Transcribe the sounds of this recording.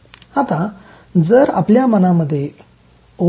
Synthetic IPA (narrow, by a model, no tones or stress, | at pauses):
at̪a | d͡zəɾa̰pljamənaməd̪ʱːje | o